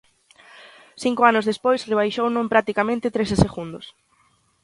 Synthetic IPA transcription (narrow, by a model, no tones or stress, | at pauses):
θiŋkoanʊzðespojsreβ̞ajʃownõmpɾak̚t̪ikamẽnt̪ɪt̪ɾeseseɣund̪ʊ̰s